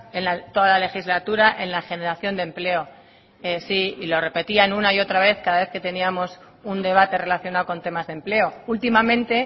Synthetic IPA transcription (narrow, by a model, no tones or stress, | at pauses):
enlat̪o̞ðalale̞xizlat̪uɾaʔe̞nlaχe̞ne̞ɾaθjo̞nd̪e̞mple̞o̞ | esiilo̞re̞pe̞t̪ianunaio̞t̪ɾaβ̞e̞θkaðaβe̞θke̞t̪e̞niamo̞s | und̪e̞β̞at̪e̞re̞laθjo̞naoko̞nt̪e̞mazðe̞mple̞o̞ult̪imamẽnt̪e̞